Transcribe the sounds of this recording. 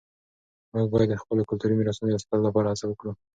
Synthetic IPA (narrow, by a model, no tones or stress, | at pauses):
muɡ̚bɑjad̪ːəxpəlokʊlt̪uɾimɪɾɑsunod̪əst̪alolapɑɾahat͡sawəkɽu